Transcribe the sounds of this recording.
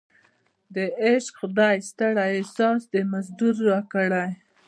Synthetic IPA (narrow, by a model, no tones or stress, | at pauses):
d̪əeʃxʊd̪ɑjst̪aɽaesɑsd̪əmazd̪uɾːɑkəɽaj